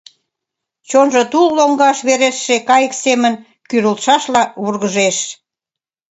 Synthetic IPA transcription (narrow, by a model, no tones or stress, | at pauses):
t͡ɕonʒot̪ulːoŋɡɑʃβeɾeʃːekɑjəksemən | kyɾəlt̪ʃɑʃlɑβurɣəʒeʃ